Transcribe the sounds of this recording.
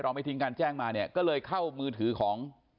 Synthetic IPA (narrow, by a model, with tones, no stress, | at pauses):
ɾa˧wma˧˩jt̪ʰi˧ŋkaː˧nt͡ɕɛː˥˩ŋmaː˧ni˥˩ɐkɔː˥˩lɤː˧jkʰa˥˩wmɯː˧t̪ʰɯː˩˦kʰɔː˩˦ŋ